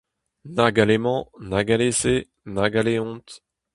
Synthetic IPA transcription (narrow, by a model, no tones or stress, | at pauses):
naɡalemɑ̃naɡalese | naɡaleɔ̃t̪